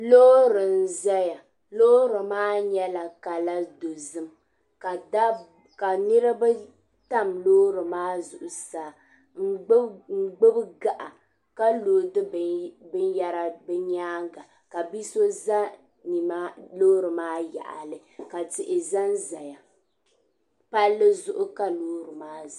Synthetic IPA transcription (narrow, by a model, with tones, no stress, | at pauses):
lo˦ɾɨ˨n̩˨za˦ja˨ | lo˦ɾɨ˨maː˦ɲɛ˦la˨ka˨la˦do˨zɨ˦m | ka˨da˦ | ka˨nɨ˦ɾɨ˦ba˦ | ta˦mloː˦ɾɨ˨maː˦zʊ˨ʔʊ˨saː˨˦ | ŋ͡m̩˦ɡ͡bɨ˦bɡa˦˨ʔa˨ | ka˦loː˨dɨ˦bɨ˦nja˦ɾa˨bɛ˦ɲaː˦ŋɡa˨ | ka˨bi˦so˦za˦ | ni˨ma˦loː˦ɾɨ˨maː˦ja̰˨ʔa̰˨lɨ˨ka˨tɪ˨ʔɪ˨za˦nza˨ja˨ | pa˦lːɨ˦zʊ˦ʔʊ˦ka˦loː˦ɾɨ˨maː˦˨